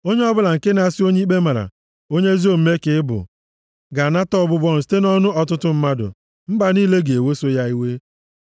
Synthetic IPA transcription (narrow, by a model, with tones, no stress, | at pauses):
o˦ɲe˦ɔ˦bʊ˦la˨ŋ̩˨ke˦na˨a˨sɪ˦o˦ɲe˦i˦k͡pe˦ma˨ɾa̰˨ | o˦ɲe˦zi˦o˨m̩˦me˦kɪ˨˦bʊ̰˨ | ɡa˨na˦tɔ˦˨bʊ˦bɔ˦nʊ˨s̬i̥˦te˦nɔ˦nʊ˦ʔɔ˨tʊ˦tʊ˦m̩˦ma˦dʊ̰˨ | m̩˦ba˨niː˦le˦ɡe˨we˦so˦ja˦i˦we˦